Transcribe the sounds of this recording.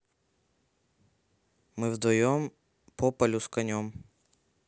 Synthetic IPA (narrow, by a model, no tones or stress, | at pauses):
mɨvd̪vɐjom | pɔpɐlʲʊskɐnʲom